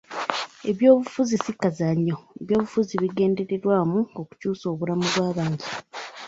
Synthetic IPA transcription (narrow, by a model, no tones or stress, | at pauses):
e̞βjo̞ːβufuzisikːazaɲːo̞eβjo̞ːβufuziβiɡe̞ːnde̞ɾe̞ɾwaːmuoku̥cuːso̞ːβulamuβwaːβaːɲɟi